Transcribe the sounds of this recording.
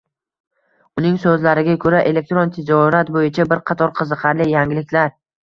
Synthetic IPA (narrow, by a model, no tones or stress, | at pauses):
ʊnɪŋsɵzlaɾɪɡʲakʰɵɾaʔe̞lek̚t̪ɾont̪ʰed͡ʒɒɾat̪bojɪt͡ʃʰabɪɾqʰɑt̪ʰɒɾqʰɨzɨqʰɑɾlɪjaŋʲɪlɪkʲʰlaɾ